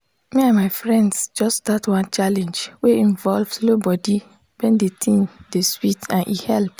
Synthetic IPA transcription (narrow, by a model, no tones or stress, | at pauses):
meãmaɪfɹɛ̃ndsd͡ʒɔstdatwɔ̃nt͡ʃalɛ̃nd͡ʒweĩnvɔlvslobɔdi | wɛ̃ndetʰĩndeswitãnʔḭhɛlp